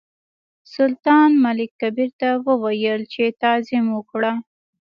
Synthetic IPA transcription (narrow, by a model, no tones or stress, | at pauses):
sʊlt̪ɑnmalɪkːabiɾt̪awəwajəlt͡ʃet̪ɑzɪmwəkɽa